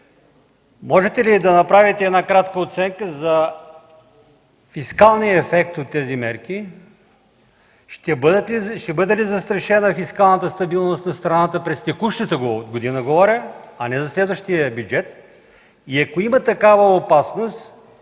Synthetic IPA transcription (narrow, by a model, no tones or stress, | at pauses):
mɔʒɛt̪ɛlid̪ɐnɐpɾavit̪ɛːd̪nakɾat̪kəot̪sɛŋkəzɐ | fiskalˠnijəɛfɛkt̪ot̪ːɛzimɛɾk̟i | ʃt̪ɛb̪ʃt̪ɛbɤd̪ɛlizɐst̪ɾɐʃɛnəfiskalˠnət̪əst̪ɐbilˠnost̪nɐst̪ɾɐnat̪əpɾɛst̪ɛkuʃt̪ət̪əɡoɡod̪inəɡovɔɾʲəɐnɛzɐslɛd̪vəʃt̪ijəbjud͡ʒɛt̪ | iɐkoimət̪ɐkavəopasnost̪